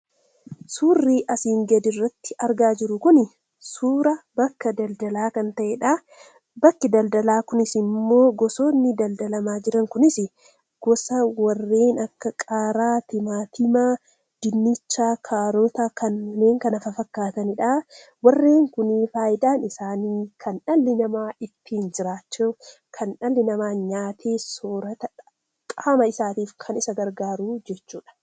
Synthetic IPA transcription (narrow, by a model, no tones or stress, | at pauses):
suːrːiːʔɐsiːŋɡɐd̪ɪrːɐt̪ːɪʔɐɾɡaːd͡ʒɪɾʊkʊnɪ | suːɾɐbɐkːɐd̪ɐld̪ɐlaːkɐnt̪ɐʔeːᶑaː | bɐkːɪd̪ɐld̪ɐlaːkʊnɪsɪmːo̞ːɡɔso̞ːnːɪd̪ɐld̪ɐlɐmaːd͡ʒɪɾɐŋkʊnɪsɪ | ɡ̥ɔsɐwɐrːe̞ːnɐkːɐkʼaːɾaːt̪ɪmaːt̪ɪmaː | d͡ʒ̪̥ɪnːɪt͡ʃːaːkʰaːɾɔt̪ɐkʰɐnneːŋkɐnɐfɐfɐkːaːt̪ɐnɪᶑaː | wɐrːe̞ːŋkʊniːfaːjɪd̪aːnɪsaːniːkʰɐnᶑɐlːɪnɐmaːɪt̪ːiːnd͡ʒɪɾaːt͡ʃːu | kʰɐnɐlːɪnɐmaːɲaːt̪ʰe̞ːsoːɾɐt̪ɐᶑɐ | kʼaːmɐɪsaːt̪iːfkʰɐnɪsɐɡɐɾɡaːɾuːd͡ʒɛt͡ʃːuːᶑɐ̥